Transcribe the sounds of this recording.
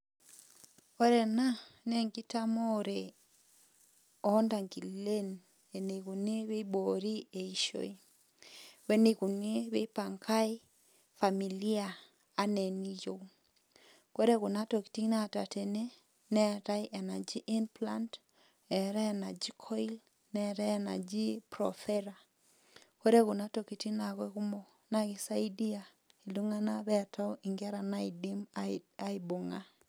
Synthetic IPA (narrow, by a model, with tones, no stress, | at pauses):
ko˦ɾe˨na˦nɛ˦ŋɡi˦ta˦mo˦ɾe˨ | ɔ˨˦nda˨ŋɡi˨le˦n | e˨ne˨ku˨ne˦βe˦bo˨ɾi˦e˨i˦ʃo̰˦i˦ | we˦ne˨ku˨ne˦βe˦pa˨ŋka˦j | fa˨mi˨li˦a˨ | a˦ne˨ni˦jo˨ | ko˦ɾe˦ɣʊ˨na˦to˨ki̥˨ti˦ŋ˦na˦˨ta˨te˨ne˦ | nɛ˦˨ta˦i˦ʔɛ˨na˨d͡ʒi˦ʔɪ˦npla˦nt | ɛ˨ɾɛ˦˨na˨d͡ʒi˦kʰɔ˦i˦l | nɛ˦˨ɾɛ˦˨na̰˨d͡ʒi˦pɾɔ̰˨fɛ˦ɾa˨ | ko˦ɾe˦ɣʊ˨na˦to˨ki˨ti˦na˨ɣwɛ˦ɣu˦mɔ˨ | na˦ɣɪ˨sa˦i˦di˦a˨ | i˨lu˦ŋa˦na˦βɛ˦˨ta˦o˦i˨ŋɡɛ˦ɾa˨na˦i˨di˦ma˦i˨bo˨ŋa˦